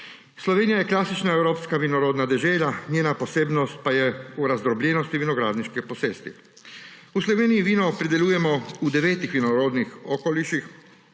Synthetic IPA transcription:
slɔʋeːnijajɛklasit͡ʃnaewɾoːpskaʋinɔɾoːd̪nad̪ɛʒeːʎʲaɲjeːnaposeːbnost̪̚pajɛuɾazd̪ɾɔblʲenost̪iʋinoɡɾaːd̪niʃkɛposeːst̪i | usloʋeːnijiʋiːnopɾid̪ɛlʲuːjɛmɔud̪ɛʋeːt̪ixʋinoɾoːd̪nixokoliʃix

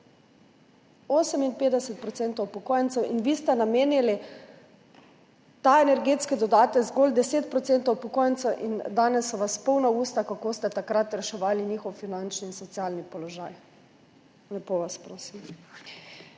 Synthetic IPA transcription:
oːsɛminpeːd̪ɛsɛt̪̚pɾɔt̪sent̪owpɔkojɛnt̪sɛwʔinʋiːst̪ɛnameːnili | t̪aenɛɾɡeːt̪skɛd̪ɔd̪aːt̪ɛzɡold̪ɛseːt̪̚pɾɔt̪sent̪ɔwpɔkojɛntsɛwʔind̪aːnɛsːɔʋaspɔwnauːst̪akakost̪ɛt̪akɾat̪ɾɛʃɛʋaːliniːxɔwfinant͡ʃniːnsɔt̪siaːlnipɔlɔʒaːj | nɛpoʋaspɾoːsim

